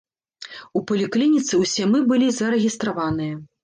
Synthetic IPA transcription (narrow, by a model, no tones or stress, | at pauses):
upɐlʲiklʲinʲit̪sɨwsʲɛmɨbɨlʲizɐɾɛɣʲist̪ɾavanɨjɐ